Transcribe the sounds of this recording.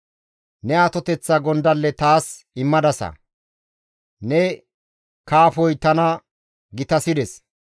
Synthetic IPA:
nɛaːt̪ɔt̪ɛt͡sːɐɡɔnd̪ɐlːɛt̪aːs | ɪmːɐd̪ɐsɐ̰ | nɛ | kaːfɔjt̪ɐnɐ | ɡɪt̪ɐsɪd̪ɛs

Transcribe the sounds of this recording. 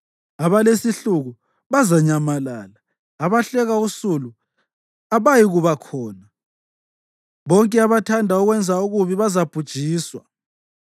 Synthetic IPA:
aβalesiɬuɣu | βazaɲamalaːlaː | βaɬɛɣausulu | aβajiɣuβakʰɔːna | βɔŋkʼɛaβatʰandʱauɣwɛnd͡zʱauɣuβiβazab̥ʱud̥ʒ̥ʱiːswa̰

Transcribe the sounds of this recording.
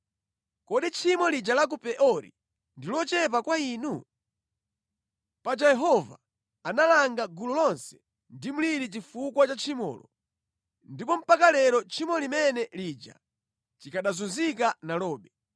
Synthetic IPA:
kɔɗit͡ʃʰimɔlid͡ʒalak̬upɛʔɔɾḭ | ndilɔt͡ʃɛp̬akwaiːnu | pad͡ʒajɛɦɔva̰ | analaŋɡaɡululɔnsɛ̥ | ndim̩liɾit͡ʃifukwat͡ʃat͡ʃʰimɔ̰ːlɔ̰ | ndipɔm̩pakalɛɾɔt͡ʃʰimɔlimɛnɛliːd͡ʒa̰ | t͡ʃikaɗazunzik̬analɔːɓɛ

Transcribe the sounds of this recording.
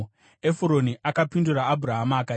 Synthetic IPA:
efuɾo̞niʔakapinduraːbʱuɾaɦamaːka

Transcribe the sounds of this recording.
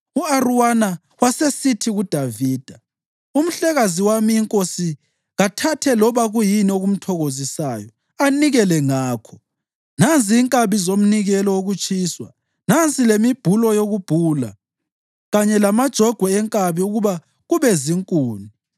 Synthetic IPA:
uaruwana | wasesitʰiɣud̥ʱaviːd̥ʱa | um̩ɬɛɣaziwamiːŋkʼosi | ɣatʰatʰɛlɔβaɣujinioɣum̩tʰɔɣozisaːjɔ | aniɣɛlɛŋaːkʰɔ | nant͡sʼiːŋkʼaβizom̩niɣɛlɔoɣut͡ʃʼiːswa | nant͡sʼilemib̥ʱulɔjoɣub̥ʱuːla̰ | ɣaɲɛlamad̥ʒ̥ʱɔɡ̥ʱwɛɛŋkʼaβiuɣuβa | ɣuβɛziŋkʼuːni

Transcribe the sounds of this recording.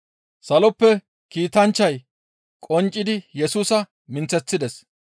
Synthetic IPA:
sɐlɔpːɛ | kiːt̪ɐnt͡ʃːɐj | kʼɔnt͡ʃʼːɪd̪ɪjɛsuːsɐ | mɪnt͡sːɛt͡sːɪd̪ɛs

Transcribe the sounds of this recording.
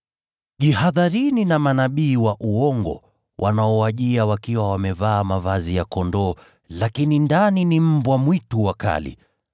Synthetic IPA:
ʄihaðaɾininamanaɓiːwaʔuɔŋɡɔ̰ | wʔa̰naɔwaʄiawakiwawamɛvaːmavazijakɔndɔː | lakinindaninim̩bwamwituwaka̰lḭ

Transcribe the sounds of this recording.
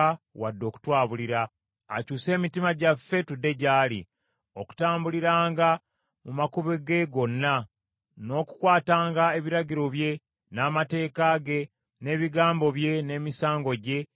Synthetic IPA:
wadːo̞ːku̥twaːβuliɾa̰ː | cuːse̞ːmitimaɟafːe̞tudːe̞ɟaːlḭ | o̞ku̥taːmbuliɾaːŋɡa | mumakuβeɡe̞ɡo̞nːa | no̞ːku̥kwaːtaːŋɡae̞βiɾaɟiɾo̞βje̞ | naːmate̞ːkaɡe̞ | ne̞ːβiɡaːmbo̞βje̞ne̞ːmisaːŋɡo̞ɟe̞

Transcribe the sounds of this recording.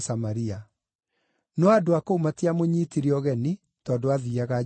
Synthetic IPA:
samaɾia | nɔadoakoumatiamoɲiːtiɾiɔɣɛni | tɔːdoaðiaɣa

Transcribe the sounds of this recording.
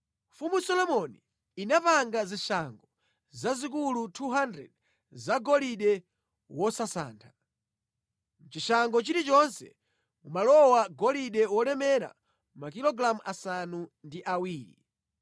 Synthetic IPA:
mfumusɔlɔmɔni | inapaŋɡaziʃaŋɡɔ | zazik̬ulutʰuɦandɾɛ̰d | zaɡɔliɗɛ | wɔsasa̰ːntʰḁ | m̩t͡ʃiʃaŋɡɔt͡ʃiɾit͡ʃɔnsɛ̰ | umalɔwaɡɔliɗɛwɔɾɛmɛɾa̰ | makilɔɡɾamuʔasanundiʔawiːɾḭ

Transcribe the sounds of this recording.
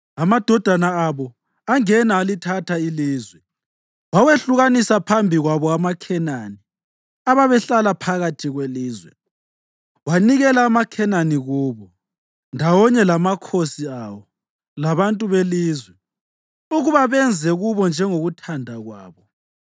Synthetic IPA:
amad̥ʱɔd̥ʱanaːβɔ | aŋɛnaːlitʰatʰailiːzwɛ | waweɬuɣanisapʰambʱiɣwaβɔamakʰɛnani | aβaβɛɬalapʰaɣatʰiɣweliːzwɛ̰ | waniɣɛlaːmakʰɛnaniɣuβɔ | ndʱawɔɲɛlamakʰosiawɔ | laβantʼuβeliːzwɛ | uɣuβaβɛnd͡zʱɛɣuβɔnd͡ʒʱɛŋoɣutʰandʱaɣwaːβɔ

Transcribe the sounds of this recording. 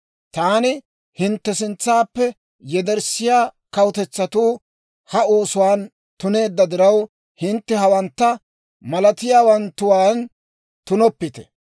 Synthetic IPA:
t̪aːnɪ | hɪnt̪ːɛsɪnt͡sːaːpːɛ | jɛd̪ɛɾsɪjaːkɐwʊt̪ɛt͡sːɐt̪uː | hɐo̞ːsʊwaːn | t̪ʊne̞ːd̪ːɐd̪ɪɾɐw | hɪnt̪ːɛhɐwɐnt̪ːɐ | mɐlɐt̪ɪjaːwɐnt̪ːʊwaːn | t̪ʊnɔpːɪt̪ɛ̥

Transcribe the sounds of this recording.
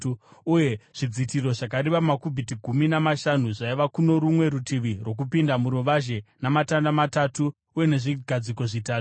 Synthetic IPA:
uje̞ʐ̥id͡zitiro̞ʐakaɾiʋamakubʱitiɡʱuminamaʃanuʐaiʋakuno̞ɾumwe̞ɾutiʋirwo̞k̬upindamuɾuʋaʒe̞namatandamatatuː | je̞ne̞ʐiɡʱad͡ziko̞ʐitaːtu̥

